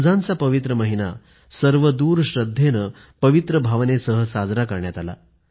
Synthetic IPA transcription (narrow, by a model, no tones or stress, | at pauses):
d͡zãnt͡sapəʋit̪ɾəməɦina̰ | səɾʋəd̪uːɾɕɾəd̪ʱːenə | pəʋit̪ɾəbʱaʋnesəɦəsad͡zɾakəɾɳjat̪ala̰